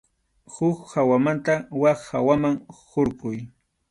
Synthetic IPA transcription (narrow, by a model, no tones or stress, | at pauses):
hʊkhawamant̪awaχhawamaŋhoɾqʊj